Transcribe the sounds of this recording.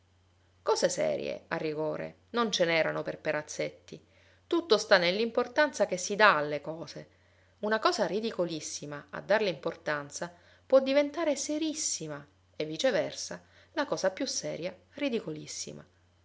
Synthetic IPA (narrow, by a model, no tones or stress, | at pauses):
kɔːzesɛ̰ːɾjḛarːiɡoːɾḛ | nont͡ʃenɛːɾa̰noperpeɾat̪sːet̪ːi | t̪ut̪ːost̪anːelːimport̪ant̪sakesːid̪aːlːekɔːze | unakɔːzarid̪ikolisːimaa̰d̪ːarlimport̪ant̪sa | pwɔd̪ːivent̪aːɾeseɾisːima | evːit͡ʃevɛrsa | lakɔːzapjusːɛːɾja | rid̪ikolisːḭma̰